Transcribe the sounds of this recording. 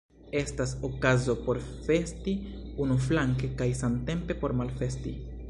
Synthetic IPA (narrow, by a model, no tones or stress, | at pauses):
e̞staso̞kazo̞po̞ɾfe̞stiunuflaŋke̞kajsamte̞mpe̞po̞ɾmalfe̞sti